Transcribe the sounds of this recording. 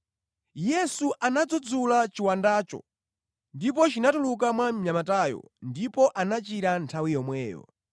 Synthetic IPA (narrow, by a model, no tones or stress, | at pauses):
jɛsuʔanad͡zɔd͡zulat͡ʃiwandaːt͡ʃɔ̰ | ndipɔt͡ʃinatuluk̬amwamɲamatajɔ̰ndipɔʔanat͡ʃiɾantʰawijɔmwɛːjɔ̰